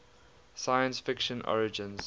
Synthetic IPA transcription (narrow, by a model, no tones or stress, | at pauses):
sajə̃nsfɪkʃə̃nʔɔ̰ɹɪd͡ʒɪ̃nz̥